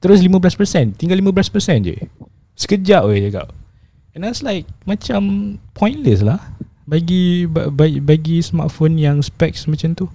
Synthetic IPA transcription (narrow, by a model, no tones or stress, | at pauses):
t̪əɾʊs̬limãbəlaspəsɛ̃nt̪iŋɡalimãbəlaspəsɛ̃nd͡ʒə̰ | sə̥kəd͡ʒaʔed͡ʒəɡa̰ʔ | ɛ̃nawslajk̚mat͡ʃampʰɔ̃j̃nləslah | baɡibababaɡisma̰t̪fonjaŋspɛk̚smat͡ʃamt̪u